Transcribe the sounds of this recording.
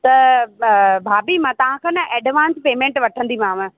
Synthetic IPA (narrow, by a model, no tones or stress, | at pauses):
t̪ɐ | bʱaːbimãt̪ɐʋ̤ãkʰãːnɐʔɛːɖʋaːnspeːmẽːɳʈʋɐʈʰə̃nd̪imãːmə̃